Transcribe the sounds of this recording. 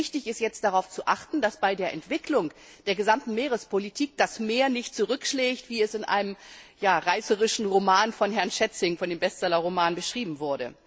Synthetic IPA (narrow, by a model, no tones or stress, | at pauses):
ɪçtɪçɪstjɛt͡std̥aʁaʊft͡suʔaχtn̩dasb̥aɪdeːɐʔɛntv̥ɪklʊŋ | d̥eːɐɡəzamtn̩meːʁəspʰolitʰiːk̚d̥asmeːɐnɪçt̚t͡suʁʏkʃleːçtv̥iːɛsɪnʔa̰ɪnəmjaːʁaɪsəʁɪʃn̩ʁomaːnfɔnɦɛɐnʃɛt͡sɪŋfɔndeːmbɛst͡sɛlɐʁomaːnbəʃʁ̥iːbm̩vʊɐdə